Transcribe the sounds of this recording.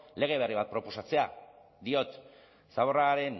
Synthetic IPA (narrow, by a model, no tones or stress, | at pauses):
le̞ɣ̞e̞β̞e̞riβat̪̚pɾo̞po̞sat͡se̞a̰ | d̪io̞t̪ | saβo̞raɾe̞n